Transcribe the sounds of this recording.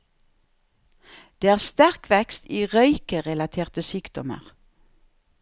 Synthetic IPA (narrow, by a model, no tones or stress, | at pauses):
d̪̥eːæːʁst̪æʁkʰʋɛkst̪iːʁœʏkəʁɛlɑt̪ʰeːʁt̪əsyːkd̪ɔmə̰ʁ